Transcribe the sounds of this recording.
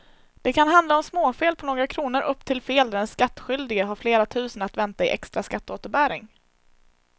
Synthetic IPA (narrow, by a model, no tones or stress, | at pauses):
d̪̥ɛkʰanɦand̪laɔmsmoːfeːlpʰɔnoːɡɾakʰɾuːnəɾʔɵpːt̪ʰɪlfeːld̪æɾɛnskat̪ːɧʏld̪ɪɡəɦaɾfleːɾat̪ʰʉ̟ːsənat̪vɛnt̪aɪʔɛ̰kst̪ɾaskat̪ːoːt̪əɾbæːɾɪ̰ŋ